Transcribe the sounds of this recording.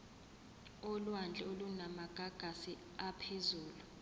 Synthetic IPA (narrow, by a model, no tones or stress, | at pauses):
olwand͡ɮʱɛolunamaɡ̥ʱaɡ̥ʱasi | apʰezuːlu